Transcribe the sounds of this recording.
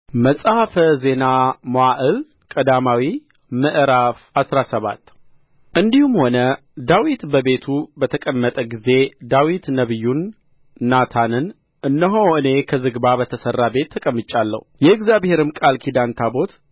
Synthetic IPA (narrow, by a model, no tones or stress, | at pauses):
məsʼahfəze̞namoaʔɨl | kʼəd̪amawi | mɨʔɨɾafasɾasəβa̰t̪ː | ʔɨnd̪ihumho̞nə | d̪awit̪bəbe̞t̪ʰubət̪ʰəkʼəmːət̪ʼəɡize̞d̪awit̪nəβɨjːunː | at̪ʰanɨn | ʔɨnːəɦoɨne̞kʰəzɨɡbabət̪ʰəsərːabe̞t̪ʰːəkʼəmːɨt͡ʃʼːalːə̰hujɛɪɡzjaβhe̞ɾɨmkʼalkʰid̪ant̪ʰabo̞t̪